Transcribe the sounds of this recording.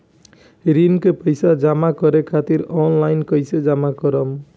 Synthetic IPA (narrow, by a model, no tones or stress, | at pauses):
ɾinkepʌjsad͡ʒamakʌɾekʰat̪iɾɔnlajnkʌjsed͡ʒamakʌɾʌm